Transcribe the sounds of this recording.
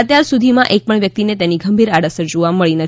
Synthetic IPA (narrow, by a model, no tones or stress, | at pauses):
ət̪jaɾsud̪ʱimãʔek̚pəɳʋjək̚t̪inet̪eniɡʱəmbʱiɾaɽəsəɾd͡ʒuʋaməɭinət̪